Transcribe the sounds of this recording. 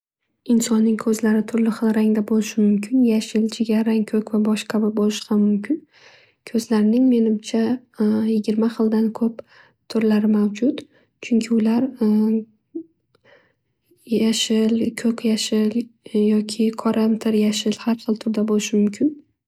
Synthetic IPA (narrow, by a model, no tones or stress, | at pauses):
ɪnsɒnːɪŋkʰɵzlaɾɪt̪ʰʊɾlɪχɨlˠɾaŋd̪abolɪʃɪmʊmkʲʰɪnjaʃɪlt͡ʃʰɪɡʲaɾaŋkʰɵkʲvabɒʃqʰabɪbolˠɪʃqaːʊmkʲʰɪn | kʰɵzlaɾɪnɪŋme̞nɪmt͡ʃʰa | jɪɡʲɪɾmaχɨlˠd̪ankʲʰɵp | t̪ʰʊɾlaɾɪmawd͡ʒʊt̪ | t͡ʃʰʊŋkʲʰɪʊlaɾ | jaʃɪlkʰɵkʲjaʃɪljɒkʲʰɪqʰɒɾamt̪ʰɪɾjaʃɪlhaɾχɨlˠt̪ʰʊɾd̪abolɪʃɪmʊmkʲʰɪn